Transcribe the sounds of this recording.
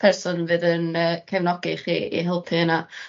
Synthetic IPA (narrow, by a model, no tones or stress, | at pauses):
pʰɛrsʊnvɨːðənəːkʰɛvnɔɡɪχḭːḭɦɪlˠpʰɪəna